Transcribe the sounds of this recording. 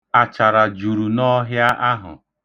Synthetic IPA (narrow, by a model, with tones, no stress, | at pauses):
a˨t͡ʃa˨ɾa˨d͡ʒu˨ɾu˨nɔ˦ɦja˦ʔa˦ɦʊ̰˨